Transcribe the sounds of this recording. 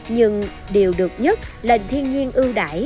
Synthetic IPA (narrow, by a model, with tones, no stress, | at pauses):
ɲɨ˧ŋ | ɗe˨˩əwɗɨ˨˩ək̚ɲə˦˥t̚le˨˩ŋ̟t̪ʰi˧ənɲi˧ənʔɨ˧ɗa̰ː˧˦j